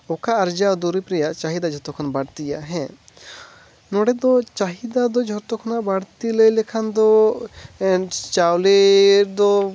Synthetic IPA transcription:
ɔkaːɾd͡ʒad̪uɾipɾɛjaʔt͡ʃaɦid̪ad͡ʒʱɔt̪ɔkʰɔnbaɽt̪ijaʔɦɛ̃ | nɔɽɛd̪ɔt͡ʃaɦid̪ad̪ɔd͡ʒʱɔt̪ɔkʰɔnaʔbaɽt̪iləjlɛkʰand̪ɔ | t͡ʃawleɾd̪ɔ

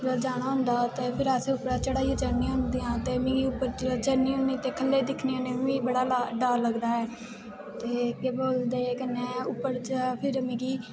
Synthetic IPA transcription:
əd͡ʒaːɽ̃aːɦʊ̃ːnd̪aːt̪eːpʰɪɾaːseʊpɾaːt͡ʃəɽaːiãːd͡ʒaːnijãːɦʊ̃nd̪ijãːt̪eːmẽːɡiːʊpːəɾt͡ʃd͡ʒənĩːɦʊ̃niːt̪eːkʰəlːeːd̪ɪkʰnjãːnẽːĩbəɽaːlaɖaːɾləɡd̪aːɦɛː | t̪eːkeːboːld̪eːkənːẽːʊpːəɾt͡ʃpʰɪɾmẽːɡiː

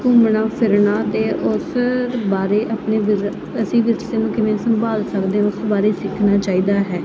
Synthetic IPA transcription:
kʊmɳaːpʰɪɾnaːt̪eːʔʊsbaːɾeːʔaːpɳeːʋɪɾ | əsĩːʋɪɾseːnũːkɪmẽːsəmbaːlsəkd̪eːãʊsbaːɾeːsɪkʰnaːt͡ʃaːiːd̪aːɦɛː

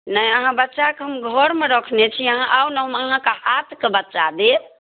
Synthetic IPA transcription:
nəiəɦãbətːʃakeɦəmɡʱəɾmeɾəkʰnet͡ʃʰiəɦãʔawnəɦəməɦãkehat̪ʰkebətːʃa̰d̪e

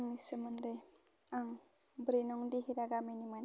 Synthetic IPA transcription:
ŋnisəmənde | aŋ | bɾinɔŋdiɦiɾaɡaminiman

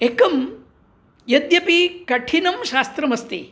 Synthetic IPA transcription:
ekɐm | jɐd̪jɐpikɐʈʰinɐmʃaːst̪ɾɐmɐst̪i

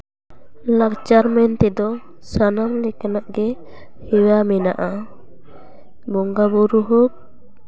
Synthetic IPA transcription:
lakt͡ʃaɾmɛnt̪ɛd̪ɔ | sanamlɛkanaʔɡɛ | hɛwamɛnaʔa | bɔŋɡabuɾuɦuk̚

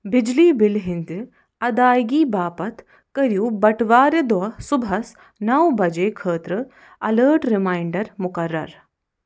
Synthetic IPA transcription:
bɪd͡ʒliːbɪlɦɪnd̪ | ɐd̪aːjɡiːbaːpɐt̪ʰ | kɐɾjuːbɐʈʋaːɾed̪ɐsʊbʱɐs | nɐwbɐd͡ʒeːkʰəːt̪ɾɨ | ɐləːʈɾɪmaːjɳɖɐɾmʊkɐɾːɐ̰ɾ

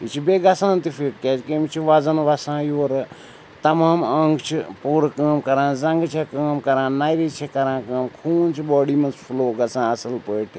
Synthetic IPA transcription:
it͡ʃʰibeːɡɐsãːnt̪ifʰiʈ̚keːd͡ʒkemit͡ʃʰiʋaːzɐnʋɐsãːjoːɾ | t̪ɐmaːmɐ̃ŋɡʰt͡ʃʰipuːɾkaːmkɐɾãːzɐ̃ŋɡt͡ʃʰekaːmkɐɾãːnaːjɾiːt͡ʃʰekɐɾãːkɐːmkʰuːnt͡ʃʰibɔːɽiːmɐnspʰuloːɡɐsãːɐsɐlpəːʈʰ

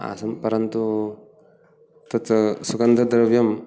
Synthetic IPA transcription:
a̰sɐmpɐɾɐnt̪u | t̪ɐt͡sɐsukɐnd̪ɐd̪ɾɐʋjɐm

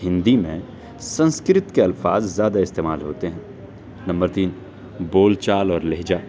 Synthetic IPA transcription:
ɦɪ̃nd̪imḛ̃ | sɐ̃nskɾɪt̪keɐlfaːzːjaːd̪aɪst̪eːmaːlɦoːt̪eɦɛ̃ | nɐ̃mbəɾt̪iːn | boːlt͡ʃaːlɔːɾleɦd͡ʒaː

